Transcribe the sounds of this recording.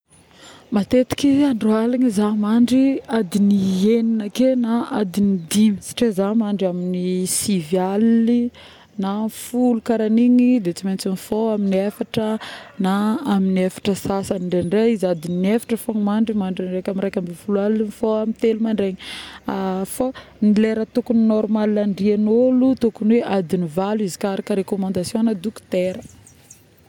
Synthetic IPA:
mat̪et̪i̥kiaɳɖ͡ʐualiɲizamaɳɖ͡ʐiad̪inieninəkenaad̪inid̪imisḁʈ͡ʂezamaɳɖ͡ʐaminisivjali | nafulukaɾaniɲid̪et͡siment͡sinifoaminiafaʈ͡ʂənaːminafḁʈ͡ʂəsasaniɳɖ͡ʐenɖ͡ʐeizad̪inefḁʈ͡ʂəfonmaɳɖ͡ʐimaɳɖ͡ʐinrajkʲamiɾajkʲambifulualinifoamint̪elumaɳɖ͡ʐeɲi | fanileɾət̪ukuninɔɾmalinaɳɖ͡ʐianolut̪ukunweʔad̪inivaluizi̥kaɾakəɾekomãnd̪asjonad̪ukt̪eɾə

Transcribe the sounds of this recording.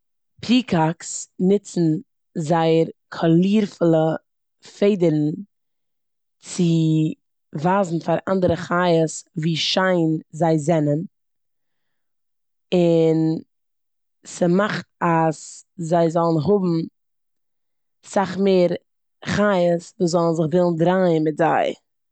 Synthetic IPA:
pʰiːkʰaksnɪt͡sn̩ | zaɪəɾkʰɔlˠiːɾflˠə | feɪdəɾn̩ | t͡sɪ | vaːzn̩faɾa̰ndəɾəχaːjəsviːʃaɪnzaɪzɛnən | ɪn | səmaχtaszaɪzɔlˠn̩ɦʊbm̩ | saχmeːɾ | χajəsvuːzɔlˠn̩zɪχvɪlˠn̩dɾaɪənmɪtza̰ɪ

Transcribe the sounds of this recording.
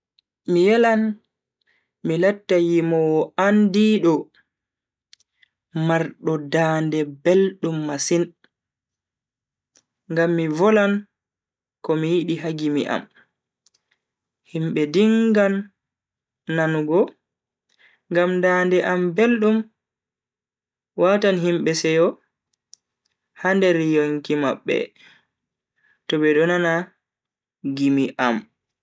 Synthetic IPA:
mijɛlan | milatːajimɔwandiɗɔ | maɾɗɔdandɛbelɗumːasin | ŋɡamːivɔlan | kɔmijiɗiɦaɡimḭʔa̰m | himɓɛdiŋɡan | anɡɔ | ŋɡamndandɛʔambelɗum | watanɦimɓɛsɛjɔ | handɛɾjoŋkimaɓːɛ̰ | tɔbɛɗɔnana | ɡimiʔam

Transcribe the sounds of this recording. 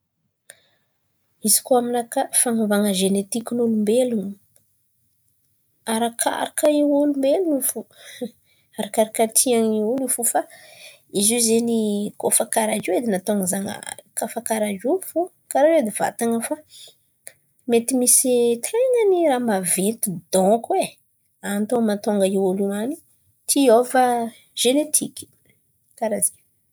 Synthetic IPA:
izi̥koaminakafaŋavaŋəʒenet̪ikʲinulumbelunu | aɾakʰa̰ɾakəiulumbelunifu | aɾakaɾakət̪ʰiaŋiulufufa | izuzenikofakaɾad͡ʒiwed̪inat̪oaŋəzaŋə̰kafakaɾad͡ʒufu | kaɾaed̪iva̰t̪aŋəfa | met̪imisit̪ʰeŋəniɾamavet̪ud̪ɔ̃kwe | ant̪omat̪oŋɡəiwulumani | t̪ʰiovə | ʒ̥enet̪ʰikʲi̥ | kaɾazi

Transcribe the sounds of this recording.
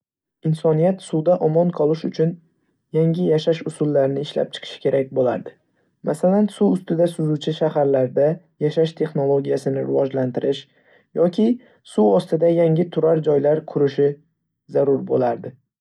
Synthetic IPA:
ɪnsɒnijat̪suwd̪aʔɒmɒnqʰɒlˠɪʃʊt͡ʃʰʊn | jaŋʲɪjaʃaʃʊsʊlːaɾɪnɪɪʃla̰p̚t͡ʃʰɨ̥qʰɨ̥ʃɪ̥kʲʰe̞ɾak̚ʲbola̰ɾd̪ɪ | mʔasalansuʊst̪ɪd̪asʊzut͡ʃʰɪʃahaɾlaɾd̪a | jaʃaʃt̪ʰe̞χno̞lˠoɡʲijasɪnɪɾɪvɒd͡ʒlant̪ɪɾʔɪʃ | jɒkʲʰɪ | suɒst̪ɪd̪ajaŋʲɪt̪ʰʊɾaɾd͡ʒɒjlaɾkʰʊɾɪʃɪ | zaɾʊɾbolaɾd̪ɪ

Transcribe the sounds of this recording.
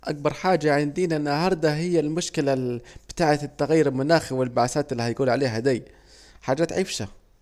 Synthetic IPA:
ʔak̚bɑɾˤħaːd͡ʒaʕɪnd̪iːnaʔɪnːahɑɾˤd̪aɦɪjːalmʊʃkɪlab̥ɪt̪aːʕat̪t̪ːaɣjːiɾɪlmʊnaːxiwɪlbaʕaθaːt̪ɪlːihajɡuːlʕaleːɦad̪aj | ħaːd͡ʒaːt̪ʕɪfʃa

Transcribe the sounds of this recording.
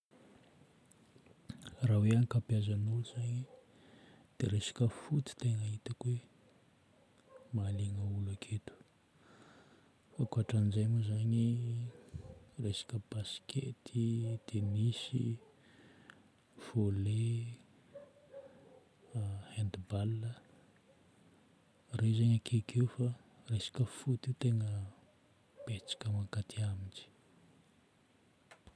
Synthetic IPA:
raweanikapjazanuluzaɲi | d̪̥eɾesḁkəfut̪i̥t̪eŋait̪əkwe | maliŋəulakʰet̪u̥ | fakuaʈ͡ʂanizajmuzaɲi | resḁkəb̥askʰet̪ʰid̪̥enisḭ | fole | hend̪ibalə | rezaɲakʰekʰewfa | resḁkəfut̪iwt̪eŋə | b̥et͡sḁkəmakat̪ʰiamind͡ʒi̥

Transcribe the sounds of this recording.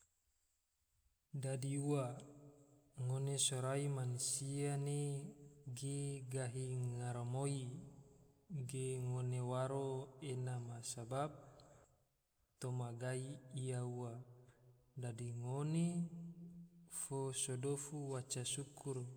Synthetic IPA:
dadiuwa | ŋonesoɾaimanusiane | ɡeɡaɦiŋaɾamoi | ɡeŋonewaɾoenamasabap̚ | t̪omaɡaiiauwa | dadiŋone | fosodofuwat͡ʃasukur

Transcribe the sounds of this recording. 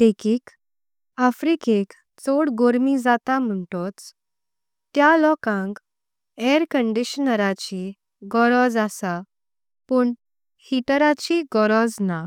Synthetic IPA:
d̪ekiːk | afɾikek | t͡soɽɡoɾmid͡zat̪am̤əɳʈɔt͡s | t̪jalɔkãŋk | eɾkəɳɖiɕnəɾat͡ɕi | ɡɔɾɔd͡zasa | pəɳ | hiʈəɾat͡ɕiɡɔɾɔd͡zna

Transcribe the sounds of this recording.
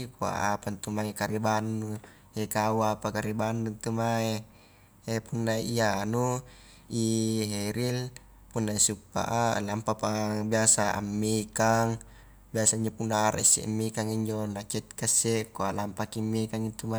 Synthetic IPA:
ikua̰ʔapant̪umaekaɾibanːu | hekauapakaɾibanːunt̪umae | epunːaianu | iɦeɾil | punːaisupːa̰ʔalampapabiasaa̰mːekaŋ | biasaiɲd͡ʒopunaaɾʔa̰isːḛʔmːekaŋiɲd͡ʒonat͡ʃɛt̪̚kasːekoaʔlampakimːekaŋint̪uma

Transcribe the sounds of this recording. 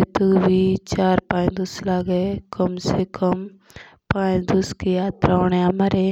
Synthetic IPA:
t̪ubʱit͡ʃaːɾpãːt͡ʃd̪ʊslaːɡəekəmsekɐm | pãːd̪uskijaːt̪ɾaoːɽ̃eamɐɾeː

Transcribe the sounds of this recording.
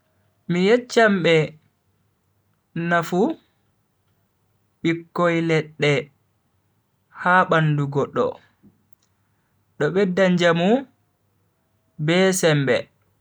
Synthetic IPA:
mijɛt͡ʃːamɓɛ | nafu | ɓikːɔjlɛɗːɛ | haːɓanduɡɔɗːɔ̰ | ɗɔɓɛdːaɲd͡ʒamu | bɛsɛmbɛ̰

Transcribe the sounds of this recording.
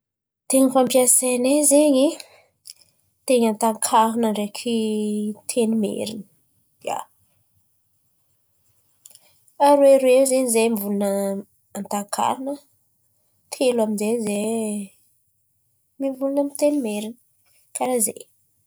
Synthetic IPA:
t̪eɲəfampiasenezeɲi | t̪eɲant̪aŋkʰaɾunəɳɖ͡ʐekʰit̪ʰenimḛɾinə̥ | d̪ia̰ | aɾuweɾwezeɲizejmvulunə | ant̪aŋkʰa̰ɾunə | t̪ʰelwaminzeɲze | mivulunəmit̪enimeɾin | kaɾazḛj

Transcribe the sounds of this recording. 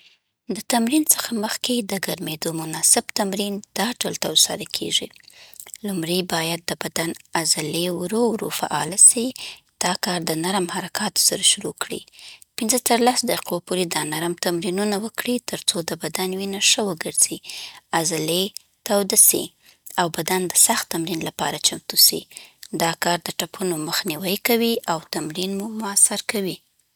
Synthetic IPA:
d̪ət̪amɾinsə̥xaməxked̪əɡaɾmed̪omʊnɑsɪbt̪amɾind̪̥ɑɖalt̪awsɑ̰ɾakʰḛʐḭ | lumɽəjbɑjad̪̚ːəbad̪anazalewɾowɾo̰fa̰ʔɑlasi | d̪̥ɑkɑɾd̪ənaɾmhaɾakʰɑt̪o̥saɾaʃʊɾokɽḭpɪnzət̪əɾlasd̪aqi̥qopoɾed̪ɑnaɾmt̪amɾinunawəkɽit̪əɾt͡sod̪əbad̪anwinaʂəwəɡəɾz̥iazale | t̪awd̪asḭ | awbad̪and̪əsaxt̪ːamɾinlapɑɾat͡ʃamt̪usḭd̪ɑkɑɾd̪əʈapʰunoməxniwəjkawiʔawt̪amɾinmumʊasaɾkawi

